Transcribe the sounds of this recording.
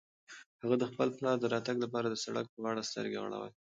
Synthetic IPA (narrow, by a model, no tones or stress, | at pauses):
haɣad̪əxpəlplɑɾd̪əɾɑt̪aɡlap̬ɑɾad̪əsaɽa̰k̚pəɣɑɽast̪ə̰ɾɡḛɣa̰ɽa̰wa̰j